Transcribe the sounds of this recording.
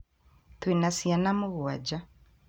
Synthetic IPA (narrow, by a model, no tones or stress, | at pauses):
t̪winasianamuɣuad͡ʒa